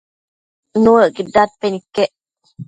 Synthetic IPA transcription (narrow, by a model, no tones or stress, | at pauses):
nuəɡiɖːaːt̪̚penikːeʔ